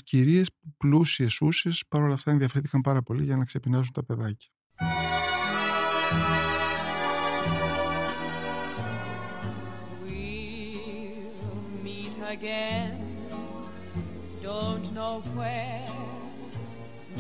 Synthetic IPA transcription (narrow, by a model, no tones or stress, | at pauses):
ciɾie̞spuplusie̞susespɐɾo̞lɐft̪ɐeðiɐfɾinθi̥kɐmpɐɾɐpo̞liʝɐnɐkse̞pinɐzunt̪ɐpe̞ðɐcɐ̥ | wi | miɾəɡɛ̃n | d̥õʊ̃nnoʊwɛ